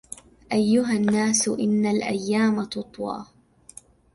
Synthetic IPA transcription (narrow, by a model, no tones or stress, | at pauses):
ʔajːʊɦanːaːsʊʔɪnːalʔa̰jːaːmat̪ʊt̪ˤwɑ̰ː